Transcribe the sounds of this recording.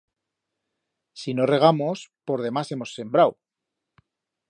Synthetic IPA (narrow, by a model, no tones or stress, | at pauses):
sino̞re̞ɣ̞amo̞spo̞ɾðe̞mase̞mo̞sːe̞mbɾaw